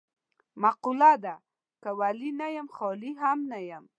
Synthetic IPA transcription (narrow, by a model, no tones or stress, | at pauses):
maqulad̪a | kawalinajamxɔliɦamnajam